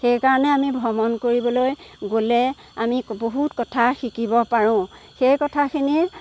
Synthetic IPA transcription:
xejkaɹɔnɛamibʱɔmɔnkoɹibɔlojɡolɛ | amiboɦutkɔtʰaxikibɔpaɹʊ̃xejkɔtʰakʰini

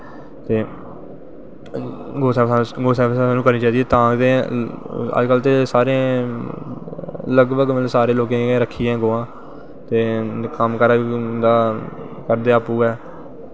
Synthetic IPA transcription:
t̪eː | ɡoːsɛːɡoːsɛːsaaːnũːkəɾniːt͡ʃaːiːd̪iɛːt̪ãːt̪ẽː | ə̰d͡ʒkəlt̪eːsaːɾẽː | ləɡbəɡesaːɾeːloːkẽːeːɾəkʰːiːɛ̃ːɡoːãː | t̪eːkəmkəɾd̪aː | kəɾd̪eːaːpuːɡɛː

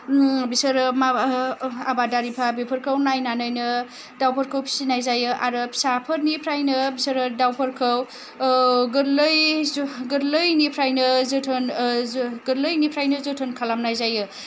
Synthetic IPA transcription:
bisɐɾma | abadaɾipʰabepʰɯɾkʰɯwnajnanɯjnɯ | dawpʰəɾkʰɯwpʰi̥sinajzajɯʔa̰ɾɯpʰi̥sapʰəɾnipʰɾajnɯbisɐɾɯdawpʰəɾkʰɯw | ɡɯɾlɯjɡɯɾlɯjnipʰɾajnɯzɯtʰɯn | ɡɯɾlɯjnipʰɾajnɯzɯtʰɯnkʰalamnajzajɯ

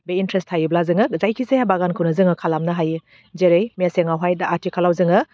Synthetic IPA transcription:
beintɾesthajublazɯŋɯkzajkʰizejabaɡankʰɯwnɐzɯŋɯkʰalamnɐɦajɯ | d͡ʒeɾejmijaseŋawɦajdaʔatʰikʰalawzɯŋɯ

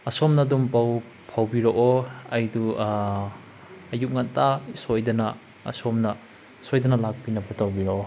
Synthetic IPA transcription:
ɐsomnɐdumpaw | pʰawbiɾoʔoɐjdu | ɐjup̚ŋɐntasojdɐnɐ | ɐ̰somnɐ | sojdɐnɐlak̚pinɐbɐtawbiɾoʔo

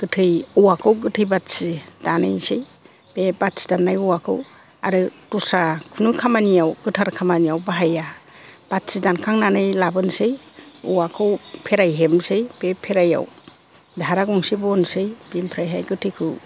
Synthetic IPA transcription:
ɡ̥ɯtʰɯjuwakʰɯwɡɯtʰɯjbatsid̥anɯjsej | bebat̚si̥danːajuwakʰɯ̰w | a̰ɾɯtusakʰunukʰamanijawɡɯtʰaɾkʰamanijawbaɦaja | b̥at̚sidankʰaŋnanɯjlabɯnsɯj | uwakʰɯwpʰeɾajɦemsejbepʰeɾaja̰w | dʱaɾaɡɔŋsibɔnsɯjbempʰɾajɦajɡɯtʰɯjkʰɯw

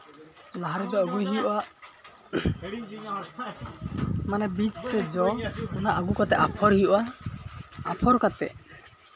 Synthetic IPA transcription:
laɦaɾɛd̪ɔəɡujɦijɔʔaʔ | manɛbit͡ʃsɛd͡ʒɔɔnaʔəɡukɔt̪ɛʔapʰɔɾhijɔʔa | apʰɔɾkat̪ɛ̰ʔ

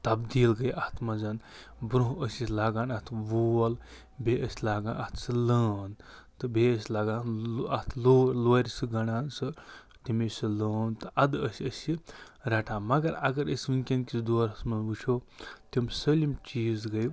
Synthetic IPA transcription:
t̪ɐbd̪iːlɡɐjʔɐt̪ʰmɐzɐn | bɾuɦuəsʲisʲlaːɡaːnɐt̪ʰʋol | bʱeəsʲlaːɡã̰ːnʔɐt̪ʰsɨləːn | t̪ɨbʱeəsʲlaːɡãːnɐt̪ʰloːloːɾʲisɨɡɐnaːnsɨ | t̪imisiləːnt̪ɨʔɐd̪əsʲiəsi | ɾɐʈʰaːmɐɡɐɾɐɡɐɾəsʲʋɨnkʲenkisd̪oːɾɐsmɐnbut͡ʃʰoːt̪imsəlʲimt͡ʃiːzɡɐj

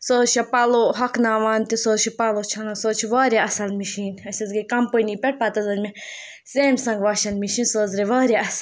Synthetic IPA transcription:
soːʃɐpɐloɦɐkʰnaːʋaːnt̪isoːzʃipɐlot͡ʃʰɐnɐsoːt͡ʃʰiʋaːɾjaɐsɐlmiʃiːnɐsʲɐzɡikɐmpənipʲɛʈ̚paːt̪ɐzɐd͡ʒʲme | seːmsɐ̃ŋɡʋaːʃɐnmiʃiːnsoːzɾeʋaːɾjaɐs

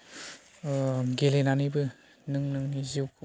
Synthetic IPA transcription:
ɡelenanɯjbɯ | nɯŋnɯŋniziwkʰ

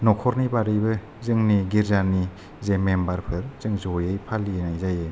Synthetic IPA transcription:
nɔkʰɔɾnibaɾɯjbɯ | zɯŋniɡiɾzani | zemembaɾpʰɯɾz̥ɯŋzɔjɯjpʰalienajzajɯ

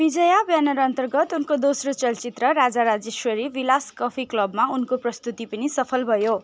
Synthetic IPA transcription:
bid͡zʌjabjanʌɾʌnt̪ʌrɡʌt̪unkod̪osrot͡sʌlt͡sit̪rʌɾad͡zaɾad͡zeswʌɾiʋilaskʌpʰiklʌbmaunkoprʌst̪ut̪ipʌnisʌpʰʌlbʱʌjo

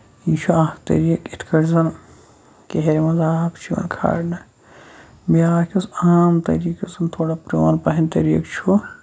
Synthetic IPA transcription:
iʃʰuaːt̪ɐ̰ɾiːkit̪ʰkʰɐɾzɐn | keɦeɾimɐnzaːkt͡ʃʰiʋɐ̰nkʰa̰ːɽnɐ | mijaːkʰʲɐsaːmt̪ɐ̰ɾiːkɐsɐnt̪ʰoːɽapɾoːnpɐɦɐnʲt̪ɐɾiːkt͡ʃʰu

